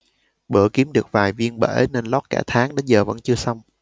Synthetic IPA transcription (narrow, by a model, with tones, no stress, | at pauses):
ɓə˧˩ki˨˦əmɗɨ˨˩ək̚vaː˨˩jvi˧ənɓḛ˧˩ʔne˧nlɔ˦˥t̚kaː˧˩t̪ʰaː˨˦ŋɗə˨˦zəː˨˩və̰˧˥nt͡ɕɨ˧əsa˧wŋ͡m